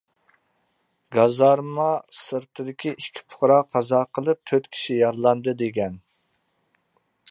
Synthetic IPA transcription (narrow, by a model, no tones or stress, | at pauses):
ɡɑzɑɾmɑsɨɾt̪ʰɨd̪ɪkʲʰiʔikʲʰːi̥pʰʊ̥χɾɑqʰːɑzɑqəlˠɨp̚t̪ʰøt̪kʲʰi̥ʃijɑɾlˠɑnd̪ɨd̪eɡʲɛn